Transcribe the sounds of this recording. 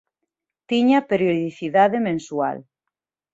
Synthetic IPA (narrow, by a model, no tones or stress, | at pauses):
t̪iɲapeɾjoðiθiðaðemẽnsua̰l